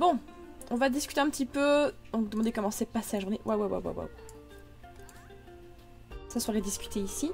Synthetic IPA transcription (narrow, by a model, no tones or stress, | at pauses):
bɔ̃ | ɔ̃vad̪iskʲyt̪eɛ̃pət̪ipød̪ɔ̃kd̪əmɑ̃d̪ekɔmɑ̃sɛpaselaʒuʁnewʔawawa̰wa̰wa̰w | saswaʁed̪iskʲy̥t̪ʰeisi